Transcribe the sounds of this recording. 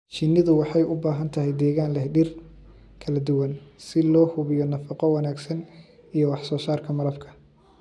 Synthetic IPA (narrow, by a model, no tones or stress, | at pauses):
t͡ʃɪnːɪðʊwɑħɑjʔʊbaːɦɐnt̪ʰɐɦɛjd̪ɛːɣaːnlɛhɖɪr | kʰɐlɐd̪ʊwɐnsɪlɔːhʊβɪjɔnɐfɑqɔwɑnaːɡsɐn | ijɔwɑħsɔːsaːrkʰɐmɐɾɐfkʰɐ̥